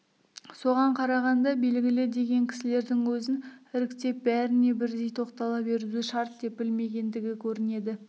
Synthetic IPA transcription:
so̞ʁɑɴqʰɑɾɑʁɑnd̪ɑbe̞lɡʲɪlɪd̪e̞ɡʲe̞ŋkʲʰɪ̥sɪle̞ɾd̪ɪŋwɵzɪnɪɾɪkt̪e̞p̚bæɾɪne̞bɪɾd̪e̞jt̪ʰo̞qt̪ɑlˠɑbe̞ɾzuʃɑɾt̪̚d̪e̞p̚bɪlme̞ɡʲe̞nd̪ɪɡʲɪkʲʰɵɾɪne̞d̪ɪ

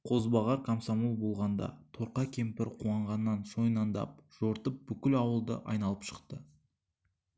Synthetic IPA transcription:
qʰo̞zbɑʁɑɾkʰamsamolˠbo̞lˠʁɑnd̪ɑ̰t̪ʰo̞ɾqɑkʲʰe̞mpɪɾqʰuɑɴʁɑnːɑnso̞jnɑnd̪ɑ̰p̚ʒ̥oɾt̪əp̚bʏkʲɪlɑwəlˠd̪ə̰ʔɑ̰jnɑlˠəpʃə̥qt̪ə

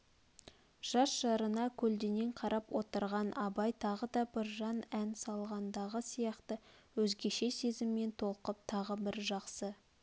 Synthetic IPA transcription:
ʒ̥ɑsʒɑɾənɑkʲʰɵld̪ene̞ɴqʰɑɾʔɑpwo̞t̪əɾʁɑnʔɑbɑjt̪ʰɑʁəd̪ɑbɪɾʒɑnænsɑlˠʁɑnd̪ɑʁəsijɑqt̪əwɵzɡʲe̞ʃe̞se̞zɪmːe̞nt̪ʰo̞lˠqəp̚t̪ʰɑʁəbɪɾʒɑqsə

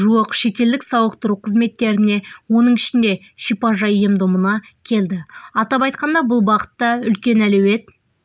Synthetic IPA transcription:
ʒuəqʃe̞t̪e̞ld̪ɪksɑwəqt̪ʊɾuqʰəzme̞t̪ːe̞ɾɪne̞wo̞nəɴɪʃɪnd̪e̞ | ʃijpɑʒɑjemd̪ʊmənɑkʲʰe̞ld̪ɪɑt̪ɑpɑjt̪̚qɑnd̪ɑbʊlˠbɑqə̥t̪ːɑʏlkʲe̞nælewe̞t̪

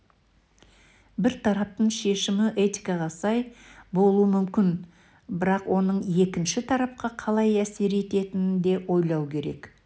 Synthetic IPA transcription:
bɪɾt̪ʰɑɾɑp̚t̪əɴʃe̞ʃɪmɪʔe̞t̪ikɑʁɑsɑjbo̞lˠuwəmʏmkʲɪn | bɪɾɑqwʔo̞nəɴe̞kʲɪnʃɪt̪ʰɑɾɑp̚qʰɑqʰɑlˠɑjæse̞ɾe̞t̪e̞t̪ɪnɪnd̪e̞wo̞jlˠɑwkʲʰe̞ɾe̞̰k

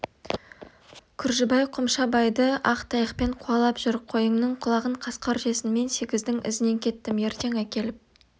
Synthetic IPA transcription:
kʲʰʏɾʒɪbɑjqʰʊmʃɑbɑjd̪əɑqt̪ʰɑjəqpe̞ɴqʰuɑlˠɑpʒ̥ʏɾqʰo̞jəŋnəɴqʰʊlˠɑʁəɴqʰɑsqɑɾʒe̞sɪnme̞nse̞ɡʲɪzd̪ɪŋʔɪ̰zɪne̞ŋkʲʰe̞t̪ːɪmje̞ɾt̪e̞ŋækʲe̞lɪp̚

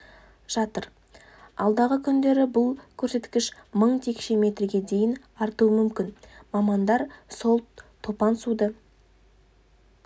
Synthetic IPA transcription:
ʒ̥ɑt̪əɾ | ɑlˠd̪ɑʁəkʲʰʏnd̪e̞ɾɪbʊlˠkʲʰɵɾse̞t̪kʲɪʃməɴt̪ʰe̞kʃe̞me̞t̪rɪɡʲe̞d̪e̞jɪn | ɑɾt̪uəmʏmkʲɪnmɑmɑnd̪ɑɾso̞lˠʰː | o̞pɑnsud̪ə

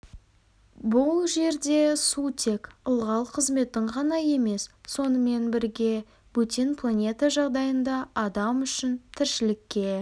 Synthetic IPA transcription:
bʊlˠʒe̞ɾd̪e̞sut̪ʰe̞kəlˠʁɑlˠqʰəzme̞t̪ɪɴqʰɑnɑje̞me̞sːo̞nəme̞nbɪɾɡʲe̞ | b̥ut̪inpʰlˠanʲe̞t̪ɑʒɑʁd̪ɑjənd̪ɑɑd̪ɑmʏʃɪnt̪ʰɪɾʃɪlɪkʲːe̞

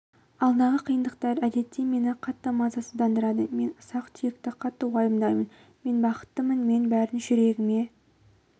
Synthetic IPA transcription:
ɑlˠd̪ənɑʁəqʰijənd̪əqt̪ɑɾæd̪e̞t̪ːeme̞nɪqʰɑt̪ːəmɑzɑsəd̪ɑnd̪əɾɑd̪əme̞nʊsɑqt̪ʰijɪk̚t̪ɪqʰɑt̪ːəwojəmd̪ɑjmən | me̞nbɑqə̥t̪ːəmənme̞nbæɾd̪ɪʒʏɾe̞ɡʲɪme̞

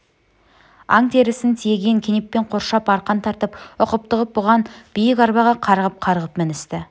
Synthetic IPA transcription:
ɑ̰ŋt̪ʰe̞ɾɪsɪnt̪ʰijeɡʲe̞ŋkʲʰe̞neppːe̞ɴqʰo̞ɾʃɑpɑɾqɑnt̪ʰɑɾt̪əpʊqəp̚t̪əʁəp̚bʊʁɑnb̥ɪjɪkʲɑɾbɑʁɑqʰɑɾʁəp̚qʰɑɾʁəpmɪnɪst̪ɪ

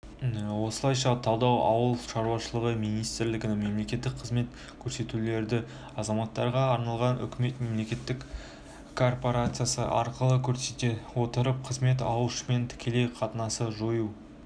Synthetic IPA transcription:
wo̞səlˠɑjʃɑt̪ʰɑwd̪ɑwʔɑ̰wəlˠʃɑɾuwɑʃəlˠəʁəmijnijst̪ɪɾlɪɡʲɪnɪŋme̞mle̞kʲe̞t̪ːɪk̚qʰəzme̞t̪ | kʲʰɵɾse̞t̪ule̞ɾd̪ɪ | ɑzɑmɑt̪ːɑɾʁɑːɾnɑlˠʁɑnʏ̰kʲɪme̞t̪me̞mle̞kʲe̞t̪ːɪk | kʰo̞rpo̞ɾat̪sɨjasə̰ʔɑ̰ɾqəlˠəkʲʰɵɾet̪ewo̞t̪əɾəp̚qʰəzme̞t̪ɑ̰wəlʃəme̞nt̪ʰɪ̥kʲe̞le̞jqʰɑt̪ənɑsəʒoju

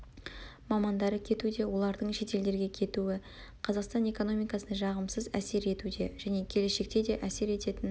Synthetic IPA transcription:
mɑmɑnd̪ɑɾəkʲʰe̞t̪ud̪e̞wo̞lˠɑɾd̪əɴʃe̞t̪e̞ld̪e̞ɾɡʲe̞kʲʰe̞t̪uɪ | qʰɑzɑqst̪ɑne̞ko̞no̞mijkɑsənɑʒɑʁəmsəzæse̞ɾe̞t̪ud̪e̞ʒæne̞kʲʰe̞le̞ʃe̞k̚t̪e̞d̪e̞ʔæse̞ɾe̞t̪e̞t̪ɪn

